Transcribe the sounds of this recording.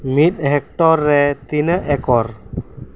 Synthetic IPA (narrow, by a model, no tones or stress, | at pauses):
mit̪̚ˀɦɛk̚ʈɔɾːɛt̪inəʔɛkɔɾ